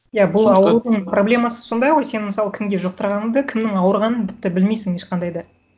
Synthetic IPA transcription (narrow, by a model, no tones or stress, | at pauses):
jabʊlˠɑwlud̪əɴpro̞blʲe̞mɑsə̥so̞nd̪ɑjʁo̞jse̞nməsɑlˠəkʲʰɪmɡʲe̞ʒoq̚t̪əɾʁɑnəmd̪əkʲʰɪmnɪŋɑwəɾʁɑnənt̪ɪ̥p̚t̪ɪbɪlmejsɪŋe̞ʃqɑnd̪ɑjd̪ɑ